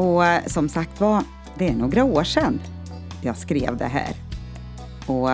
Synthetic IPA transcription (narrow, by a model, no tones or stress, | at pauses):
ɔsɔmsak̚t̪va | d̪ɛæɳoːɡɾaoːʂɛnː | jɑːɡskɾeːvd̪ɛ̰ɦæ̰ːɾ | ɔ